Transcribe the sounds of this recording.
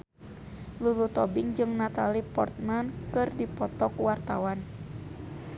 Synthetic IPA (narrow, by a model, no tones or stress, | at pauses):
lulut̪ɔbiŋd͡ʒɨŋnat̪alipɔ̰rt̪̚mankɨrdipɔt̪ɔkwart̪a̰wan